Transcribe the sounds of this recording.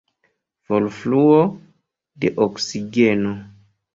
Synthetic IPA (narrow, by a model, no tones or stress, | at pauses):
v̥olfluo | dḛʔoksiɡeno